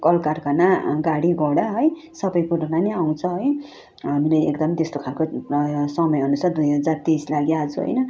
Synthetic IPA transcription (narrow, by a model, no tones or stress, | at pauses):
kʌlkarkʰanaɡaɽiɡʌɽaɦʌj | sʌbʌjkuɾonaniaw̃t͡sʰʌɦʌj | ɦamilajḛkd̪ʌmt̪est̪okʰalkosʌmʌjɦʌnusʰad̪ujɦʌd͡zart̪islaɡjad͡zʰuɦʌ̰jnʌ